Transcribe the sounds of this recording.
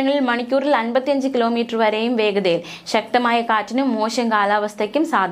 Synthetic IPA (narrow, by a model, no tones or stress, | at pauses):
ɐŋːɐɭilmɐɳikʲːuːrilɐnbɐt̪ːijɐɲd͡ʑɨkilo̞ːmiːʈːrɨʋɐɾejumʋe̞ːɡɐðɐjil | ɕɐk̚t̪ɐmaːjɐkaːtːinumːoːɕɐŋkaːlaːʋɐst̪ʰɐkʲːumsaːd̪ʱ